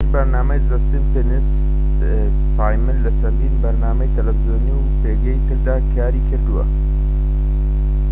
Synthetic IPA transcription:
ɾbɐɾnaːmɐjzɐst̪imfenis | saːjmɪlːɐt͡ʃʰɐnd̪iːnbɐɾnaːmɐjt̪ʰɐlɐfizoːniwpeːɡɐjt̪ɨɾd̪aːkʰaːɾiːkʰɨɾd̪uwɐ̰

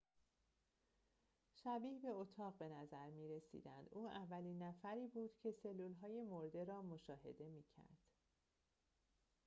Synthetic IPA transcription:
ʃæbiːhbe̞ot̪ʰɒːʁbe̞næzæɾmiːɾe̞sḭːd̪ænd̪ʔuːʔævːæliːnːæfæɾiːbuːd̪̥cʰe̞se̞lːuːlɦɒːje̞mo̞ɾd̪e̞ɾɒːmo̞ʃɒːɦe̞̰d̪e̞miːcʰæ̰ɾd̪̥

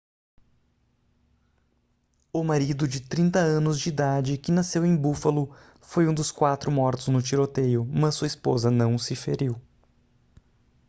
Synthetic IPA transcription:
ʊmaɾid̪ʊd͡ʒɪt̪ɾĩnt̪ɐɐ̃nʊzd͡ʒɪid̪ad͡ʒɪkɪnasewẽj̃bufɐlʊ | fojũd̪ʊskwat̪ɾʊmɔɾt̪ʊznʊt͡ʃiɾot̪ejʊmɐssuɐispozɐnɐ̃w̃sɪfḛɾiw

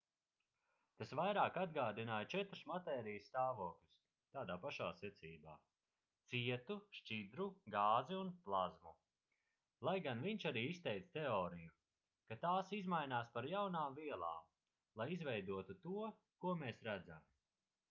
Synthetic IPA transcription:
t̪asvajɾaːkad̪̚ɡaːd̪inaːjt͡ʃɛt̪ɾsmat̪ɛːɾijssːt̪aːvoːklʲus | t̪aːd̪aːpaʃaːsɛt̪siːba̰ː | t̪siɛt̪uʃt͡ʃid̪ɾuɡaːziunplˠazmu | lˠajɡanviɲʃaɾiːist̪ɛjt̪st̪eɔːɾiju | kat̪aːsizmajnaːspaɾjawnaːmviɛlˠa̰ːm | lˠajizvɛjd̪uɔt̪ut̪uɔ | kuɔmeːsɾæd̪za̰m

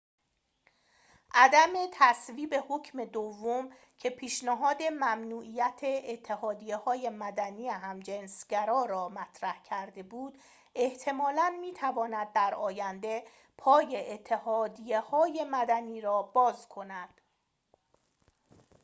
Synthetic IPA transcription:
ʔæd̪æme̞t̪ʰæsviːbe̞ho̞cʰme̞d̪ovːom | cʰe̞pʰiːʃnæɦɒːd̪e̞mæmnuːʔijæt̪ʰeːt̪ʰːe̞hɒːd̪ijehɒːjemæd̪æniːjeɦæmd͡ʒensɟæɾɒːɾɒːmæt̪ʰɾæhcʰæɾd̪e̞buːd̪̥ | ʔeht̪ʰe̞mɒːlænmiːt̪ʰævɒːnæd̪̚ːæɾɒːjænd̪e̞ | pʰɒːje̞ʔet̪ʰːehɒːd̪ije̞hɒːje̞mæd̪æniːɾɒːbɒːzkʰo̞næd̪̥

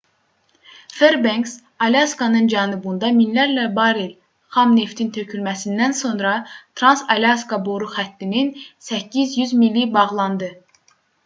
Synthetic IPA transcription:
feɾbeŋks | ɑljɑskɑnɯnd͡ʒɑnɯbund̪ɑminlæɾlæbɑɾel | χɑmne̞ft̪ʰint̪ʰøcʰylmæsind̪ænso̞nɾɑt̪ʰɾɑnsɑliɑskɑboɾuxæt̪ːininsæcːizjyzmilːibɑʁlˠɑnd̪ɯ

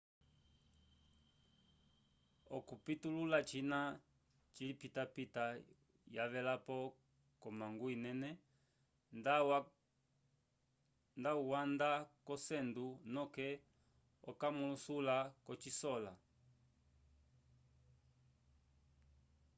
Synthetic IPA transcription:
ɔkupitululat͡ʃina | t͡ʃilipitapita | jaβɛlapɔ | kɔmaŋɡuinɛnɛ | ndauwandakɔsɛndunɔkɛ | ɔ̰kamulusulakɔt͡ʃisɔla

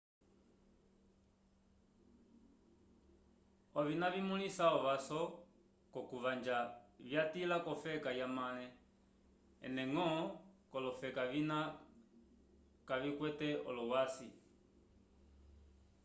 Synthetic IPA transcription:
ɔvinaβimulisaɔβasɔ | kɔkuβand͡ʒaβjatilakɔfɛkajamalɛ | ɛ̰nɛŋɔkɔlɔfɛkaβina | kaβikwɛtɛɔ̰lɔwasḭ

